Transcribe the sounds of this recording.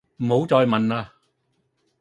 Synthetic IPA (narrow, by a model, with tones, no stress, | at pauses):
m̩˨˩ho˨˥wt͡sɔː˧jmɐ˨naː˧